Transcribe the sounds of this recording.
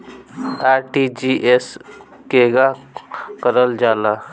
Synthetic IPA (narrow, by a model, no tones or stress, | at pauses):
aːɾʈid͡ʒiʔes | keːɡakəɾəld͡ʒaːla